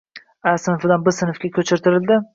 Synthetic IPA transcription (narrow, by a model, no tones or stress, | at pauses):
æsɪnfɪd̪anbɪɾsɪnɨfkʲakʲʰɵt͡ʃʰɪɾt̪ʰɪɾɪld̪ɪ